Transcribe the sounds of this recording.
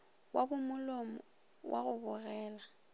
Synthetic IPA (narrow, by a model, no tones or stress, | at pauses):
wabʊmʊlomʊ | wʔa̰ɣʊbʊɣɛːla